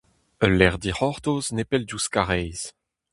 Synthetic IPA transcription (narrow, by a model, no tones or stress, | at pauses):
əlːɛʁd̪iʁɔʁt̪oːznepɛldjuskaʁɛjz̥